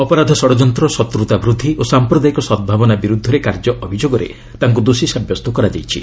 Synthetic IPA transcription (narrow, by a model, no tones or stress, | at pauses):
ɔpɔɾad̪ʱɔsɔɽɔd͡ʒɔnt̪ɾɔsɔt̪ɾut̪abɾud̪ʱːiʔosampɾɔd̪ajikɔsɔd̪̚bʱabɔnabiɾud̪ʱɔɾekaɾd͡ʒɔʔɔbʱid͡ʒoɡɔɾḛ | t̪aɦŋk̬ud̪osisabjɔst̪ɔkɔɾad͡ʒajt͡ʃʰḭ